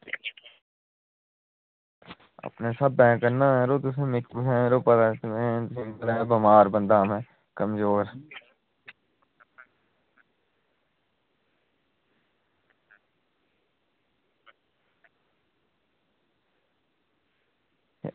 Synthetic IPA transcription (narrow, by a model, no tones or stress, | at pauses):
ə̰pnesəbːɛ̃ːkəɾnãːɛ̃ːɾoːt̪ʊs̬ẽmɪkpʊɛ̃eɾoːpət̪at̪mẽsɪ̃ŋɡəlɛːbəmaːɾbə̃nd̪aːmɛ̃ː | kəmzoːɾ